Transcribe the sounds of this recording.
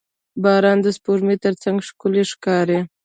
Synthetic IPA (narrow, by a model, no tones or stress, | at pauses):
bɑɾɑnd̪əspoɾmet̪əɾt͡saŋɡʂkʊleʂkɑɾe